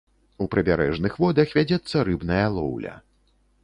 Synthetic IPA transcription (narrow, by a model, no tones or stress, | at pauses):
upɾɨbʲaɾɛ̰ʐnɨxvɔd̪ɐxvʲad͡zʲɛt̪sːɐɾɨbnɐjɐlˠɔ̰wlʲɐ̰